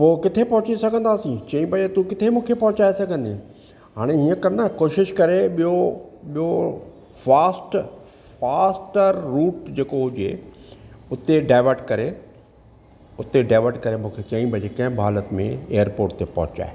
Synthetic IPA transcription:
poːkɪt̪ʰepɐɦʊt͡ɕisɐɡʱə̃nd̪aːsĩt͡ɕɐ̃ĩbʱɐd͡ʑet̪ukɪt̪ʰemũːkʰepɐɦʊt͡ɕaːesɐɡʱə̃nd̪i | ɦaːɽ̃eɦiːə̃kɐɾnakoːʃɪʃkɐɾeɓijoɓijo | faːsʈ | faːsʈəɾːuːʈd͡ʑeːkoɦʊd͡ʑḛ | ʊt̪eɖaːɪʋəɾʈkɐɾe | ʊt̪eɖaːɪʋəɾʈkɐɾemũːkʰet͡ɕɐ̃ĩbʱɐd͡ʑekɐ̃ɦɪ̃bʱaːlət̪mḛ̃eːjəɾpoːɾʈt̪epɐ̰ɦʊt͡ɕa̰ːe

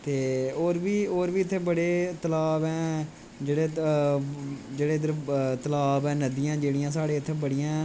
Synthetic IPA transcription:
t̪eːoːɾbiːoːɾbiːɪt̪ʰːeːbəɽeːt̪əlaːbɛ̃ː | d͡ʒeːɽeː | d͡ʒeːɽeːd̪ɾt̪əlaːbɛːnəd̪ijãːd͡ʒeːɽɪjãːsaːɽeːɪt̪ʰːeːbəɽijãː

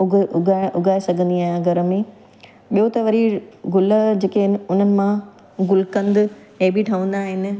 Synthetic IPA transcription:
ʊʊɡʱaːɪɽ̃ʔʊɡʱaːesɐɡʱə̃nd̪iaːɦɪ̃nãɡʱɐɾə̆mẽ | ɓijot̪ɐʋɐɾiɡʊləd͡ʑeːkeɦɪnɪ̆ʊnəɪ̆mã | ɡʊlkɐ̃nd̪ɪ | ẽbɪʈʰɐʋə̃nd̪aːɦɪnɪ̆

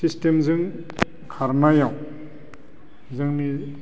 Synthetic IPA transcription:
sistemzɯŋ | kʰaɾnajaw | zɯŋni

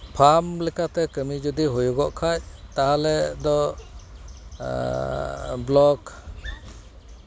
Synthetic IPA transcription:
pʰamlɛkat̪ɛkəmid͡ʒud̪iɦujuɡɔʔkʰact̪aɦalɛd̪ɔ | blɔk

